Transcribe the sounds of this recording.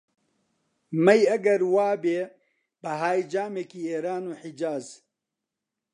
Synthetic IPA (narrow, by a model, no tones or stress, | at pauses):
mɐjɐɡɐɾwaːbeː | bəɦaːjd͡ʒaːmeːkiːeːɾaːnoːħid͡ʒaːz